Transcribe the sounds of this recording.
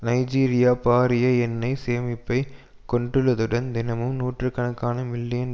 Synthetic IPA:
nɐɪd͡ʒiːɾɪjaːpaːɾɪjɐɛnːɐɪseːmɪpːɐɪ | kɔɳɖɯɭːɐðɯɽɐnd̪ɪnɐmɯmnuːʈrɯkːɐnɐkːaːnɐmɪlːɪjɐn

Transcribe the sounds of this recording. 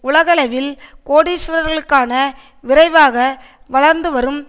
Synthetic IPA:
ʊɭɐɣɐɭɐʋɪlkoːɽisʊɾɐɾɣɐɭɯkːaːnɐ | ʋɪɾɐɪʋaːɣɐ | ʋɐɭɐɾnd̪ɯʋɐɾɯm

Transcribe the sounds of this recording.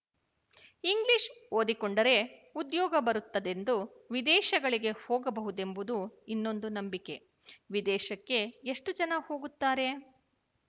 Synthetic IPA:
iŋɡliʃoːd̪ikoɳɖɐɾe̞ud̪jɔːɡɐbɐɾut̪ːɐd̪e̞nd̪u | ʋid̪ɛːʃɐɡɐɭiɡe̞hoːɡɐbɐɦud̪e̞mbud̪uinːo̞nd̪unɐmbike̞ | ʋid̪ɛːʃɐkːe̞ːʂʈud͡ʒɐnɐho̞ːɡut̪ːaːɾe̞

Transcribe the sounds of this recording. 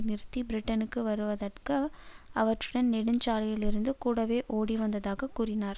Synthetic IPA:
nɪɾɯt̪ːibɪɾɪʈːɐnɯkːɯʋɐɾɯʋɐðɐʈkɐɐʋɐʈrɯɽɐnnɛɽɯɲt͡ʃaːlɐjɪlɪɾɯnd̪ɯkuːɽɐʋeːʔoːɽiʋɐnd̪ɐðaːɣɐkuːɾɪnaːɾ

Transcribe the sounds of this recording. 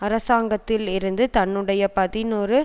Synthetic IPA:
ɐɾɐsaːŋɡɐt̪ːɪlɪɾɯnd̪ɯt̪ɐnːɯɽɐjɐpɐðɪnɔɾɯ

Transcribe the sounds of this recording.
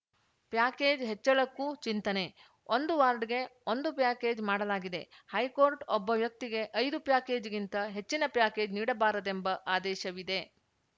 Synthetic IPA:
pjaːkeːd͡ʒɦet͡ʃːɐɭɐkːut͡ʃint̪ɐne̞ | o̞nd̪uʋaːɾɖɡe̞ond̪upjaːke̞ːd͡ʒmaːɽɐlaːɡid̪e̞̰hɐjkoːɾʈɔbːɐʋjɐk̚t̪iɡe̞ʔɐjd̪upjaːke̞ːd͡ʒɡint̪ɐɦe̞t͡ʃːinɐpjaːke̞ːd͡ʒniːɽɐbaːɾɐd̪e̞mbɐʔaːd̪ɛːʃɐʋid̪e

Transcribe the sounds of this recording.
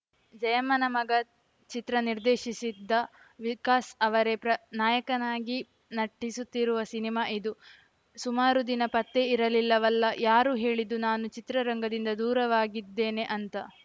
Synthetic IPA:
d͡ʒɐjɐmɐnɐmɐɡɐ | t͡ʃit̪ɾɐniɾd̪eːʃisid̪ːɐ | ʋikaːsɐʋɐɾe̞pɾɐnaːjɐkɐnaːɡi | nɐʈːisut̪ːiɾuʋɐsinimaːʔid̪u | sumaːɾud̪inɐpɐt̪ːe̞iɾɐlilːɐʋɐlːɐjaːɾuɦe̞ːɭid̪unaːnut͡ʃit̪ɾɐɾɐŋɡɐd̪ind̪ɐd̪uːɾɐʋaːɡid̪ːe̞ːne̞ʔɐnt̪ɐ

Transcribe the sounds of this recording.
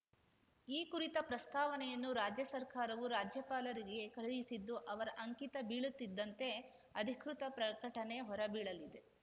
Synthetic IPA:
iːkuɾit̪ɐpɾɐst̪ʰaːʋɐnɛjɐnːuɾaːd͡ʒjɐsɐɾkaːɾɐʋuɾaːd͡ʒjɐpaːlɐɾiɡe̞kɐɾɐɭisid̪ːuʔɐʋɐɾɐʔɐŋkit̪ɐbiːɭut̪ːid̪ːɐnt̪e̞ | ɐd̪ʱikɾut̪ɐpɾɐkɐʈɐne̞ɦɔɾɐbiːɭɐlid̪e̞

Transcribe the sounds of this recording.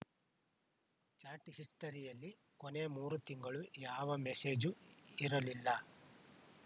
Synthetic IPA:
t͡ʃaːʈhisʈɐɾijɐlːi | kone̞muːɾut̪iŋɡɐɭujaːʋɐmese̞ːd͡ʒuiɾɐlilːɐ

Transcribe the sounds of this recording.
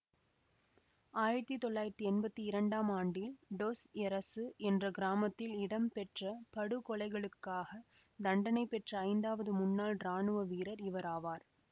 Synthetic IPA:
aːjɪɾɐt̪ːit̪ːɔɭːaːjɪɾɐt̪ːiɛnbɐt̪ːiɪɾɐɳɖaːmaːɳɖɪlɖoːsɛɾɐsɯʔɛndrɐɡɪɾaːmɐt̪ːɪlɪɽɐmpɛʈrɐpɐɽɯkɔɭɐɪɣɐɭɯkːaːɣɐ | d̪ɐɳɖɐnɐɪpːɛʈrɐɐɪnd̪aːʋɐðɯmʊnːaːlɾaːɳɯʋɐʋiːɾɐɾɪʋɐɾaːʋaːɾ

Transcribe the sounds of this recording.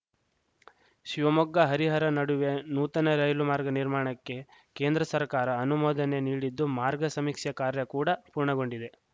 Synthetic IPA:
ʃiʋɐmɔɡːɐɦɐɾiɦɐɾɐnɐɽuʋenuːt̪ɐnɐɾɐjlumaːɾɡɐniɾmaːɳɐkːe̞ke̞ːnd̪ɾɐsɐɾkaːɾɐːnumoːd̪ɐne̞niːɽid̪ːumaːɾɡɐsɐmiːkʂjɐkaːɾjɐkuːɽɐpuːɾɳɐɡo̞ɳɖid̪e̞

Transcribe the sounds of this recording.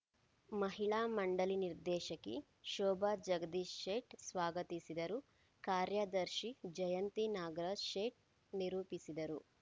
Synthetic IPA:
mɐɦiɭaːmɐɳɖɐliniɾd̪ɛːʃɐkːe | ʃɔːbad͡ʒɐɡɐd̪iʃʃeːʈsʋaːɡɐt̪isid̪ɐɾu | kaːɾjɐd̪ɐɾʃid͡ʒɐjɐnt̪inaːɡɐɾɐʃeːʈ̚ | niɾuːpisid̪ɐɾu

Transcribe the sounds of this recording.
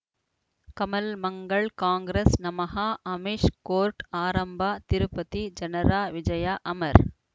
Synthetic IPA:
kɐmɐlmɐŋɡɐɭkaːŋɡɾesnɐmɐɦaːʔɐmɪʂkoːɾʈaːɾɐmbaːt̪ɪɾɯpːɐt̪id͡ʒɐnɐɾaːʋɪd͡ʒɐjaːʔɐmɐɾ

